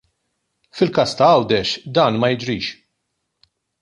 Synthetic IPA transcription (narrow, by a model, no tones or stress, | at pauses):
fɪlkɐːst̪ɐɐwd̪ɛʃd̪ɐːnmɐjɪd͡ʒɾiːʃ